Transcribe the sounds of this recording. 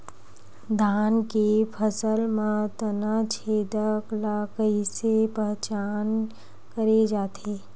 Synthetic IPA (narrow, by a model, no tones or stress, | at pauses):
d̪ʱaːnkepʰəsəlmãt̪ənat͡ʃʰeːd̪əklakəisepəɦt͡ʃaːn | kəɾed͡ʒaːt̪ʰeː